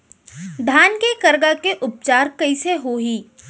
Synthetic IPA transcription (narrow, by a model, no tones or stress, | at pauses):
d̪ʱaːnkekɐɾɡakeʔʊp̚t͡ʃaːɾkɐiseɦoɦiː